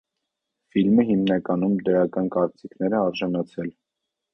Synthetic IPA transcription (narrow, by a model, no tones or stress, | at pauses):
filməɦimnɑkɑnumd̪əɾɑkɑnkɑɾt͡sikʰnɛɾɛɑɾʒɑnɑt͡sʰɛl